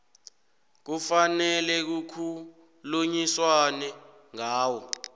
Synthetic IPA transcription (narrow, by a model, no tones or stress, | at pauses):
k̬ufanɛlɛk̬ukʰu | luɲiswanɛ | ŋaːwɔ